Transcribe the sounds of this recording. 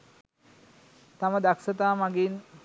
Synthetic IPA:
t̪aməd̪aksət̪aːmaɡin

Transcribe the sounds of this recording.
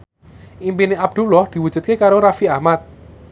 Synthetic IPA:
ʔimpineʔab̚d̪̥ulɔhd̪̥i̤wu̥d͡ʒ̥ṳt̪̚kekaɾoɾafiahmat̪̚

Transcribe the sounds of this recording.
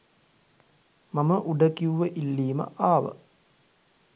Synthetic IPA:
mɐməʔuɖəkiuʋəʔilːiːmə̰ʔaːʋə̰

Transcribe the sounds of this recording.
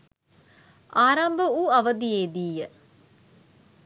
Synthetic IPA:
ʔaːɾɐmbəuɐʋəd̪ieːd̪iːjə

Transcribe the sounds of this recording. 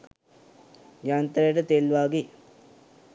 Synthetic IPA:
jaːnt̪ɐɾeʈɐt̪eːlʋaːɡi

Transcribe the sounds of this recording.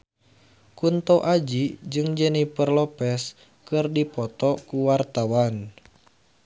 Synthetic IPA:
kunt̪oʔad͡ʒid͡ʒɨŋd͡ʒɛnipərlɔpɛs | kɨrdipɔt̪ɔkuwart̪awan

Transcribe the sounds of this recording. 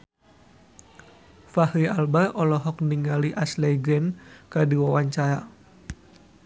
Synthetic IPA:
fahɾialbaʔɔlɔɦɔk̚niŋaliʔaslɛɡɛnkadiwawaɲt͡ʃaɾa

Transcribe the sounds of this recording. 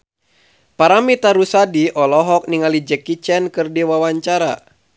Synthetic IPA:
paɾamit̪aɾusadiʔɔlɔɦɔk̚niŋalid͡ʒɛkit͡ʃɛnkɨrdiwawaɲt͡ʃaɾa

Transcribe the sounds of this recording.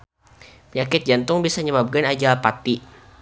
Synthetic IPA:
pəɲakɪt̪̚d͡ʒant̪ʊŋbisaɲəbab̚ɡanad͡ʒapat̪i

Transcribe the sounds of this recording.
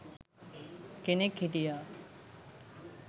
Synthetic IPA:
kenekʰːiʈija

